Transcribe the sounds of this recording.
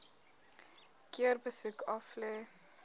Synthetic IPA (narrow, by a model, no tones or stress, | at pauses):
kiərbəsukʰɐflɛː